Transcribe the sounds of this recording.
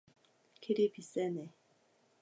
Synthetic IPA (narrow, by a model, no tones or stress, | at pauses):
kʰiɾipʰisɛnɛ